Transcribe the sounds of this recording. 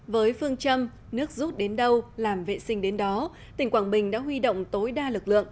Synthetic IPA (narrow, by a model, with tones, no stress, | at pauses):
vəː˨˦jfɨ˧əŋt͡ɕə˧m | nɨ˦˥ək̚zu˦˥t̚ɗe˨˦nɗə˧wlaː˨˩mvḛ˧˨sï˧ŋ̟ɗe˨˦nɗɔ˨˦ | t̪i˨˩ŋ̟kwaː˧˩nɓï˨˩ŋ̟ɗa̰ː˧˥ɦwi˧ɗo̰˧˨wŋ͡mt̪o˨˦jɗaː˧lɨ˨˩k̚lɨ̰˧˨əŋ